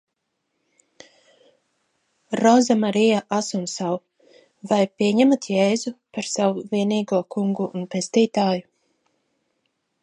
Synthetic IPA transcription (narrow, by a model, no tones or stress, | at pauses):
ɾɔzamaɾijaʔasumsaw | vajpʲiɛɲɛmat̪jɛːzupaɾsawuviɛniːɡuɔkʰuŋɡuːnpest̪iːt̪aːju